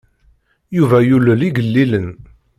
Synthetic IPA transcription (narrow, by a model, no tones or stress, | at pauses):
juvæjuləliɡəlːilən